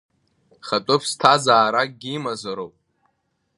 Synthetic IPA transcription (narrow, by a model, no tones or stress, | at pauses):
χatʼʊpʰstʰazaːɾak̚ʼɡʲimazaɾowpʼ